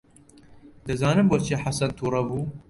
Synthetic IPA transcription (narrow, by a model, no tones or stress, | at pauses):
d̪ɨzaːnɨmbɐɾt͡ʃʰiħasɐnt̪ʰuːɾɐbuː